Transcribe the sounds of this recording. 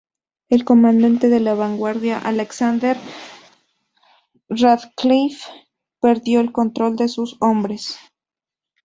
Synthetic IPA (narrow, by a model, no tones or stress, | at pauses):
e̞lko̞mãnd̪ant̪e̞ðe̞laβaŋɡwaɾðjaʔaleksand̪eɾ | raðklif | pe̞ɾðjo̞elko̞nt̪ɾo̞ld̪e̞suso̞mbɾe̞s